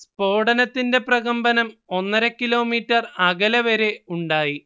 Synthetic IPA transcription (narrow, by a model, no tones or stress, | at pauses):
spo̞ːɽɐnɐt̪ːinde̞prɐɣɐmbɐnɐmo̞nːɐɾɐkːilo̞ːmiːtːɐrɐɣɐlɐʋɐɾeuɳɖaːji